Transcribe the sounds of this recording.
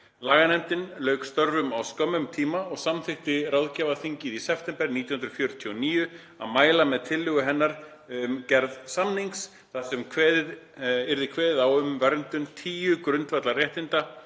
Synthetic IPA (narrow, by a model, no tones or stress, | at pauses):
laːɣanɛmt̪ɪnlœːɥkst̪œɾvʏmawskœmʏmt̪ʰiːmaɔɣsamθɪht̪ɪrawðcavaθiɲcɪðisɛpfʰt̪ɛmpɛɾniːjhnɾʏ̥fjœɾʏt̪ʰiɔniːjʏ | a̰ðmaːjlamɛðt̪ʰɪlːʏɣʏɦɛnːaɾ̥ | ʏmcɛɾðsamniŋks | θaðsɛmkʰvɛːðɪðɪɾðɪkʰvɛːðɪðawʏmvɛɾnt̪ʏmt̪ʰiːjʏkɾʏnt̪vɛt̪larjɛht̪ɪnt̪a